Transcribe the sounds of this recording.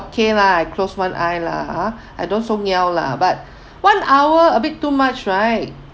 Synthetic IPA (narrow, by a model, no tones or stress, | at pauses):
okʰelaajkʰloswãnʔajla̰ | ajdõnsoŋawla̰bat̚ | wãnawəəbitːumat͡ʃɹaɪt̚